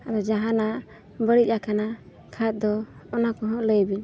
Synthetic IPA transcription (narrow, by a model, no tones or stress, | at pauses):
abɛd͡ʒaɦana | bəɽit̪̚ˀakʰana | kʰat̪̚ˀd̪ɔːnakɔɦɔ̃ʔləjbin